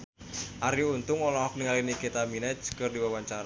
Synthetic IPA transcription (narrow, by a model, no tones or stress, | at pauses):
ʔaɾjuunt̪ʊŋɔlɔɦɔk̚niŋalinikit̪aminɛt͡ʃkɨrdiwawaɲt͡ʃaɾa